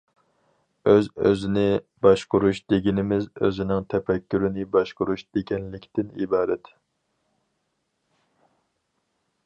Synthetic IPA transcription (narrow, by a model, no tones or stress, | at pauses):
øzøzɪnɪ | bɑʃqʊɾuʃd̪̥eɡʲinɪmɪzø̰zɪnɪŋt̪ʰɛpɛkʲːyɾɪnɪbɑʃqʊɾuʃd̪̥eɡʲɛnlɪkʲt̪ɪnḭbɑːɾɛt̪